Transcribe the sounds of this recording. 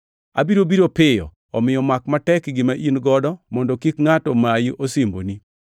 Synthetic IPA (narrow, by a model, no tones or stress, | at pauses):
a̰biɾobiɾopɪjɔ̰ | ɔmɪjɔmakmatɛkɡɪmaʔinɡɔdɔmɔndɔkikŋatɔmajiʔosimbo̰ni